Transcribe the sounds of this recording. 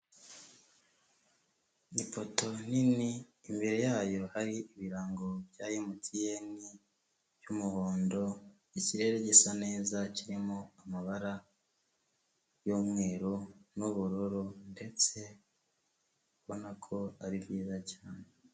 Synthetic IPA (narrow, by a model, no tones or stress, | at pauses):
nipo̞to̞niniːmbiɾejaːjo̞haɾiiβiɾaːŋɡo̞βjaːjimutʰije̞ni | βjumuβoːndo̞ | iciɾe̞ɾe̞ɟe̞sane̞ːzaciɾimoamaβaɾa | jomŋe̞ːɾonuβuɾoɾonde̞t͡se̞ | uβonakʰo̞aɾibjiːzacaːne̞